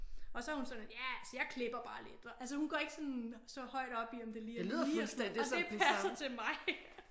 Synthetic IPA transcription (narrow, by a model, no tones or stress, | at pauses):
ɒ̽sɒæhunsɒ̽njæælsəjɑ̈ɪkʰle̝b̥ɐb̥ɑ̈ːled̥ɐʔæls̬əhunɡ̥ɒɐe̝ɡ̥ə̥sɒ̽nsɒ̽hɒ̽ɪ̰d̥ɒ̽b̥iɒ̽md̥e̝liːeliːð̰ˠifulsd̥en̰disepʰæsɐt͡sʰe̝lmɑ̈ɪ